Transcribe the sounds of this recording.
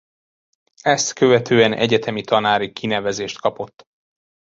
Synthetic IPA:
ɛst̪kø̞vɛt̪ʰøːɛnɛ̰ɟɛt̪ʰɛmit̪ɒnaːɾikʰinɛvɛzeːʃt̪kɒpo̞t̪ː

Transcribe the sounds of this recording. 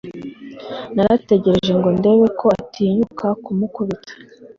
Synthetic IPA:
naɾate̞ɟe̞ɾe̞ʒe̞ŋɡo̞nde̞βe̞kʰo̞atʰiːɲukʰakumukuβitḁ

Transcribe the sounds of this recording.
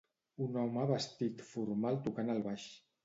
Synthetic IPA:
unɔwmaβəst̪it̪fuɾmalˠt̪ukanəlˠβaʃ

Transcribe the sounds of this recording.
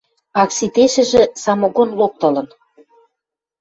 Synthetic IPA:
ɑksit̪eʃɘ̆ʒĕsɑmoɣonlok̚t̪ɤ̆lɤ̆n

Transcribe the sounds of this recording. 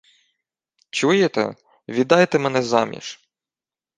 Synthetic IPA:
t͡ʃujet̪ɛ̰ | ʋʲid̪ɑjt̪ɛmɛnɛzɑmʲḭʃ

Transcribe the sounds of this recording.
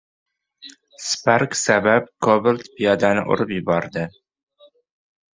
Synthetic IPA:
spʰaɾksabap̚kʰobɪlt̪pʰijɒd̪anɪ̰ʔo̰ɾɪpjʊbɒɾd̪ɪ

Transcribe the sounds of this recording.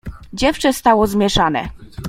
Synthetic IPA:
d͡ʑɛft͡ʂɛst̪awɔzmʲjɛʂanɛ̰

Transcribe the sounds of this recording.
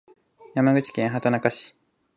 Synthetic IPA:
jamaɡɯ̟t͡ɕi̥kẽɰ̃ɦat̪anakaɕi̥

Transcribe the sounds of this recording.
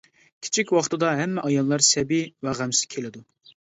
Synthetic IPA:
kʲʰi̥t͡ʃʰikʲwɑχt̪ʰɨd̪ɑɦɛmːɛʔɑjɑlˠːɑɾsɛbiwæʁæmsɪ̥kʲʰelɪd̪u

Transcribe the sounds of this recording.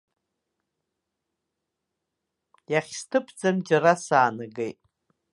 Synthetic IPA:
jaχʲstʰɨpʰd͡zamd͡ʒaɾasaːnɨɡejtʼ

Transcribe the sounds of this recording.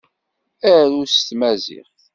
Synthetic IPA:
æɾust̪mæzḭχ

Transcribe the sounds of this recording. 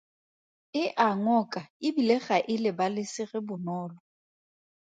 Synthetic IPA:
ɪʔaŋɔkʼaɪbileχaʔɪlɪbalɪsɪɣɪbʊnɔːlɔ

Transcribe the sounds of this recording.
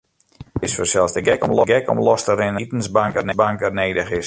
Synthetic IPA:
ɪsfəsɛlˠzdəɡɛkɔ̰mlɔɡɛkɔ̰mlɔstərɪnətən̩zbaŋkənəbaŋkəneːdəxɪs

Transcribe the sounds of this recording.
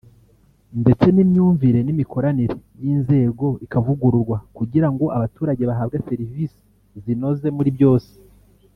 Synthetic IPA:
nde̞t͡se̞nimɲuːɱviɾe̞nimikʰo̞ɾaniɾe̞jiːnze̞ːɡo̞ikavuɡuɾuɾɡwakuɟiɾaŋɡo̞ʔaβatuːɾaɟe̞βaɦaːbɡeseɾivisi̥ | zino̞ze̞muɾibɟo̞ːse̥

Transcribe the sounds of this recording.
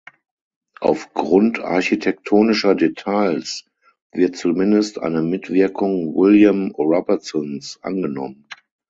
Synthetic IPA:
ʔaʊfɡ̥ʁʊntʰa̰ɐçitʰɛk̚tʰoːnɪʃɐdetʰaɪls | vɪɐt̚t͡sumɪndəstʔa̰ɪnəmɪtv̥ɪɐkʰʊŋwɪljamʁabət͡sɔnsʔa̰nɡənɔ̰mən

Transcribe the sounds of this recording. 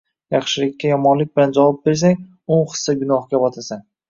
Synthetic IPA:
jɑχʃɪlɪkʲʰːajɒmɒnlɪk̚ʲbɪland͡ʒavɒp̚be̞ɾs̬aŋ | onχɨ̥sːaɡʊnɒχkʲabɒt̪ʰasan

